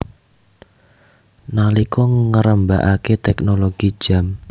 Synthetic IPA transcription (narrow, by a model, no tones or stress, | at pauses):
nalikɔŋŋəɾəmbaʔaket̪ɛknoloɡ̥id̥ʒ̥a̤m